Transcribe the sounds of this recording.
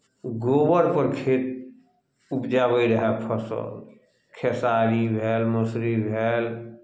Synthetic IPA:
ɡoːbəɾpəɾkʰeːt̪̚ | ʊpd͡ʒaːbəiɾɐɦɛpʰəsə̰l | kʰɛsaːɾibʱɛːlməsɾibʱɛːl

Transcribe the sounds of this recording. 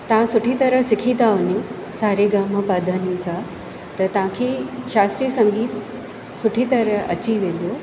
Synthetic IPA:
t̪ɐʋ̤ãsʊʈʰit̪ɐɾəsɪkʰĩt̪aʋʊɲũ | saːɾeɡaːməpaːd̪ʱənisã | t̪ɐt̪ɐʋ̤ãkʰeːʃaːst̪ɾiəsɐ̃ŋɡiːt̪ | sʊʈʰit̪ɐɾəɐ̰t͡ɕiʋẽːn̆d̪o

